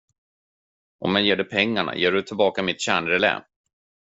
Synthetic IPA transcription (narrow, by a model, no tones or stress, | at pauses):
ʔɔ̰mjajeːɖɛpʰɛŋːaɳa̰jeːɖɵt̪ʰɪlbɑːkamɪt̪ɕæːɳɾɛlɛ̰ːm